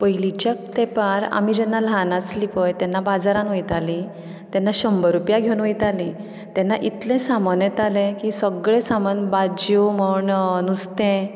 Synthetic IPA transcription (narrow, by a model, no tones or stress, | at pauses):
pəjlit͡ɕjak̚t̪ɛpaɾa̰mid͡ʑɛnːalanaslipəjt̪ɛnːabad͡zaɾãnʋəjt̪ali | t̪ɛnːaɕəmbəɾupjaɡʱewnʋəjt̪alĩ | t̪ɛnːaʔit̪lẽsamɔnjət̪alẽkisəɡɭẽsamənbad͡ʑjoməɳnust̪ẽ